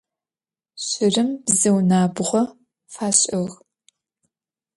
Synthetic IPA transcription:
ɕɪrɨmbzɨwnaːbʁʷɔ | faːɕʼɐɣ

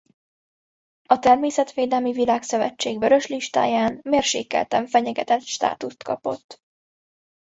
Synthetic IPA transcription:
ɒt̪ɛrmeːsɛt̪ʋeːd̪ɛlmivilaːksøvɛ̰t͡ʃːeːɡvøɾø̞ʃliʃt̪a̰ːjaːnmeːrʃḛːkɛ̰lt̪ɛɱfɛɲɛɡɛ̰t̪ɛt̪ʃt̪a̰ːt̪ust̪kɒ̰po̞̰t̪ː

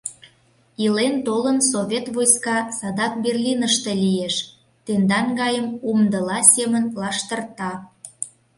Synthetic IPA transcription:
ilent̪olənsoβʲet̪βojskɑsɑd̪ɑk̚berlʲinəʃt̪elʲieʃ | t̪end̪ɑnɡɑjəmumd̪əlɑsʲemənlɑʃt̪ərt̪ɑ

